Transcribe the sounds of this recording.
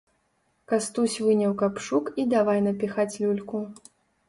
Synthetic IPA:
kast̪usʲvɨnʲɐwkapʂukid̪avajnɐpʲixat͡sʲlʲulʲku

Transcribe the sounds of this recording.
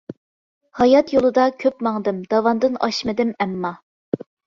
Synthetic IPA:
hɑjɑt̪jolˠɨd̪ɑkʲʰøpmɑŋd̪ɨmd̪̥ɑwɑnd̪ɨnɑ̰ʃmɨd̪ɪmɛmːɑ

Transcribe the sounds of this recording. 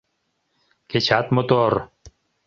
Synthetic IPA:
ket͡ɕʰat̪mot̪oɾ

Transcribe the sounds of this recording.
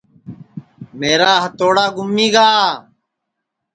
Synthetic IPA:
meːɾaːɦət̪oːɽaːɡʱʊmiːɡaː

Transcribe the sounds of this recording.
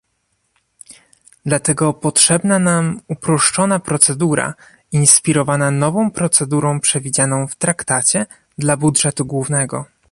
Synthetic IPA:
d̪lat̪ɛɡɔpɔtʂɛbnanamupɾɔʂt͡ʂɔnapɾɔt̪sɛd̪uɾa̰ | inspʲiɾɔvananɔvɔ̃w̃pɾɔt̪sɛd̪uɾɔ̃w̃pʂɛvʲid͡ʑanɔ̃w̃ft̪ɾakt̪at͡ɕɛ | d̪labudʐɛt̪uɡwuvnɛɡɔ

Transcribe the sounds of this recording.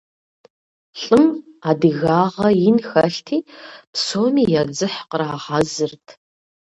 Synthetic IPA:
ɬʼɨmaːdɨɣaːʁɐjɪnxɐɬtʰiːpsoːmiːjɛd͡zɨħqəraːʁɑzɨrtʰ

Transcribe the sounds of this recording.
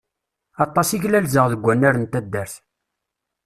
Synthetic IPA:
ɑt̪ˤːɑsiʝlælzəʁðəɡʷːænːæɾənt̪æd̪ːæɾθ

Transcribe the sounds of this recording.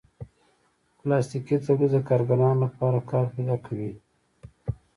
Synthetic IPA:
plɑst̪ikit̪aɽud̪əkɑɾɡanɑːnlapɑɾakɑːɾhid̪ɑkʰawi

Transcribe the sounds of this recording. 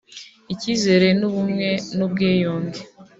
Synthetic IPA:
iciːze̞ɾe̞nuβumŋe̞nub̚ɡeːjoːnɡe

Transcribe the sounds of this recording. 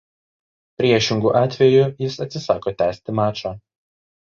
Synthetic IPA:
pʲɾʲiɛʃʲɪŋɡuːʔɑːt̪ʲʋʲɛjʊjɪsɐt̪ʲsʲɪsɑːkoːt̪ʲæːsʲt̪ʲɪmɑːt͡ʃɑː

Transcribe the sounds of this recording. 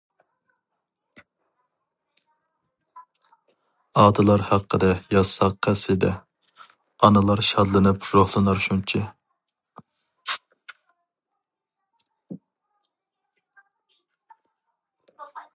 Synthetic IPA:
ɑːd̪ɨlˠɑɾhæqʰːəd̪ɛjɑsɑq̚qʰːæsɪd̪ɛ | ɑnɨlˠɑɾʃɑd̪lˠɨnɨpɾohlˠɨnɑɾʃunt͡ʃʰɪ

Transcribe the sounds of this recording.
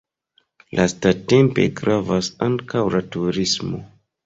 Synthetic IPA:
lʔastate̞mpe̞̰ɡɾavasaŋkawlatuɾismo̞̰

